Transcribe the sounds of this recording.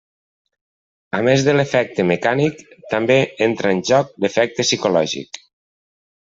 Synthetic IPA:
amezðəlefɛk̚t̪əmekanikt̪ambeent̪ɾəːnʲʒɔk̚d̪efɛk̚t̪əsikolɔʒḭk

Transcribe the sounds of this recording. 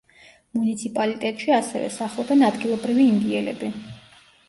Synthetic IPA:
munit̪sʰipʼalit̪ʼɛt̪ʼʃiasɛ̰vɛ̰saχlˠɔbɛnad̪ɡilˠɔbɾiviːnd̪iɛlɛ̰bi

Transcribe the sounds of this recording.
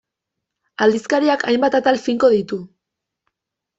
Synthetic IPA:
ald̪iskaɾiakʰajmbat̪at̪alfiŋko̞ðit̪u

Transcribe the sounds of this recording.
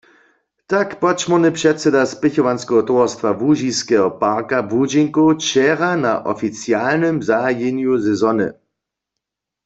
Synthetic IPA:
t̪akpɔt͡ʃmɔnɛpʃɛtsɛdaspɪçɔʋanskɛɦɔt̪oɔst̪ʋavuʒiskɛɦɔpaʁkabud͡ʒiŋkot͡ʃɛʁanaʔɔ̰fit͡sjalnɛmzajenjuzɛzɔnɨ̰

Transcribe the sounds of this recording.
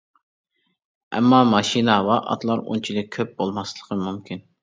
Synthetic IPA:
ɛ̰mːɑmɑʃinɑwɑʔɑ̰t̪lˠɑɾṵnt͡ʃʰilɪk̚ʲkʲʰøp̚bolˠmɑslˠəqʰəmumkʲin

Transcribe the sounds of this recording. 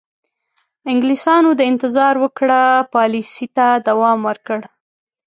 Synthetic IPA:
ɪŋɡlisɑnod̪əɪnt̪ɪzɑɾwəkɽapɑlisit̪ad̪awɑmwəɾkəɽ

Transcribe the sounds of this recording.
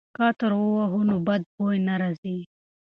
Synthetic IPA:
kɑt̪əɾowaɦʊnobad̪̚bojnaɾɑzi

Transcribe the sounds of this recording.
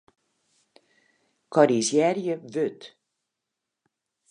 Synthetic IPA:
kɔɾizjɛrjəvøt

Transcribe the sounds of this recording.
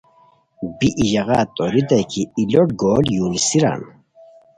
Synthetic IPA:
biʔiʑɐɣa̰ːt̪ʼoɾid̪ɐkʰiːloʈ̚ɡoːljulsiɾa̰n

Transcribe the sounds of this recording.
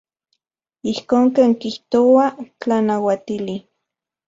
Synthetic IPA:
ihkoːŋkeːŋkiht̪oat͡ɬanawat̪ili

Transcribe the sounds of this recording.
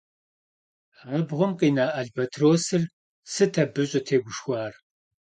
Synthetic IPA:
ʁɐbʁʷʊmqʼinaːʔɐɮbɐtʰroːsɨr | sɨtʰɐbɨɕʼɐtʰeːɡʷʊʃxʷɑːr

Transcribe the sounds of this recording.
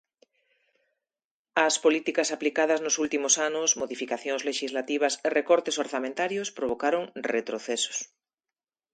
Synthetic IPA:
ɐspolit̪ikɐsaplikað̞ɐznʊsult̪imʊsanʊsmoðifikaθjoŋzleʃizlat̪iβ̞ɐserekɔɾt̪esoɾθamẽnt̪aɾjʊspɾoβ̞okaɾoŋret̪ɾoθɛso̥s

